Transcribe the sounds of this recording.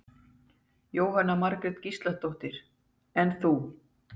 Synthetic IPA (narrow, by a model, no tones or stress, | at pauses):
joːwɦanːamaɾkɾɛt̪cist̪laht̪owht̪ɪɾ̥ | ɛnθu